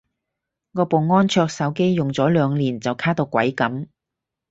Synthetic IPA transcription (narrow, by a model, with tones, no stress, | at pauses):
ŋɔː˧po˨˩wŋɔː˥nt͡ʃʰœː˧k̚sɐ˨˥wke˥jːʊ˨ŋt͡sɔː˨˥lœː˨˧ŋliː˨˩nt͡sɐ˨˩wkʰaː˥t̪o˧wkʷɐ˨˥jkɐ˨˥m